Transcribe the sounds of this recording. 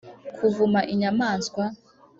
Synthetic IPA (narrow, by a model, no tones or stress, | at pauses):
kʰuvumaʔiɲamaːnskwa